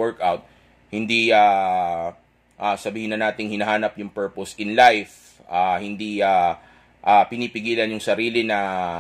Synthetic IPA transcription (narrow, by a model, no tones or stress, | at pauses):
ɛɹkawt̪̚ | hɪnd̪ia | ʔasɐbiːhɪnːɐnaːt̪ɪŋhɪnɐɦaːnɐpjʊŋpɛɹposɪnlajf | ʔahɪnd̪ia | ʔapɪnipɪɡiːlɐnjʊŋsɐɾiːlɪnɐ